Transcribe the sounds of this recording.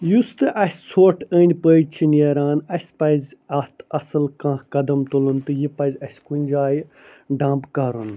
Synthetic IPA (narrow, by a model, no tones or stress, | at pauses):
just̪ɨʔɐsʲsʰoːʈʰəːnʲpət͡ʃʰineɾaːnɐsʲpɐzʲɐt̪ʰɐsɨlkãːkɐd̪ɐmt̪ulunt̪ɨjipɐzʲɐsʲkunʲd͡ʒaːj | ɖãːmbkɐɾun